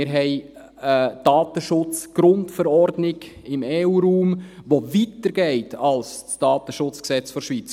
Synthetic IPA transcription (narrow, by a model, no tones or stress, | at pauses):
ɪɾɦɛɪ | əd̥ɑːtəʃʊt͡sɡ̥ɾʊntfəɾɔɾdnɪɡɪmeːuːɾuːmʋovitəɾɡ̥ɛɪtʰɑlst͡sd̥ɑːtəʃʊt͡sksɛt͡sfɔɾʃʋit͡s